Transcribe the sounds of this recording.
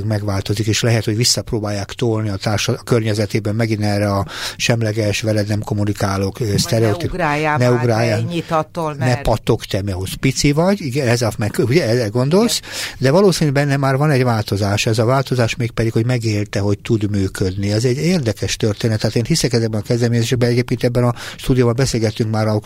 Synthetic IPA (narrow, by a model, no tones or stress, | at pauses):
ɡmɛɡʋaːlt̪o̞zikeːʃlɛɦɛt̪ho̞ɟʋisːɒproːbaːjːaːkt̪oːlniɒt̪aːrʃɒkørɲɛzɛt̪eːbɛmːɛɡinɛːrːɛɒʃɛmlɛɡɛʃʋɛlɛd̪nɛmko̞munikaːlokːst̪ɛɾɛot̪ipːjnɛuɡraːjaɲit̪t̪onɛpɒt̪o̞kt̪ɛmiɒɦospit̪sivɒɟiɡɛnɛzɒmɛkuɟɛɛzɛɡo̞nd̪o̞lsd̪ɛvɒloːsinybɛnːɛmaːrvɒnɛɟʋaːlt̪o̞zaːʃɛzɒvaːlt̪o̞zaːʃmeːk̚pɛd̪ikho̞ɟmɛɡeːlt̪ɛɦo̞ct̪ud̪myːkød̪niɛzɛɟeːrd̪ɛkɛʃt̪ørt̪eːnɛt̪ːaːt̪eːnhisɛkɛzɛɡbɛnɒkɛzd̪ɛlmeːɲɛzeːʃɛɡ̚bɛnɛɟeːp̚keːnt̪ɛbːɛnɒʃt̪uːd̪ijobɒmbɛseːlɡɛt̪ːyŋkmaːɾɒ